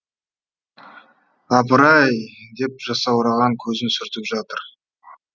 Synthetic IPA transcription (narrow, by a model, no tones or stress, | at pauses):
ɑpəɾɑjd̪e̞p̚ʒɑsɑwɾɑʁɑŋkʲʰɵzɪnsʏɾt̪ɪpʒɑt̪əɾ